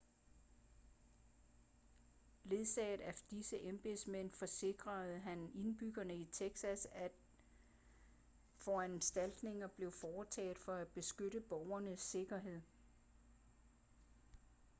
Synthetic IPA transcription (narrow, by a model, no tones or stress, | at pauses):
le̝ðˠsɛ̰ːðˠæd̥isəʔemb̥e̝smen̰fɒ̽se̝ɡ̥ʁɐð̩ˠɦæne̝nb̥yɡ̥ɐnəit͡sʰeɡ̥sæsæ̥ | fɒ̽ænsd̥æl̰d̥ne̝ŋɐb̥le̝ʊfɒːt͡sʰɛ̰ːð̩ˠfɒ̽æ̥b̥e̝sɡ̥øɾəb̥ɒʊɐnəsːe̝ɡ̥ɐɦe̝ð̞̰ˠ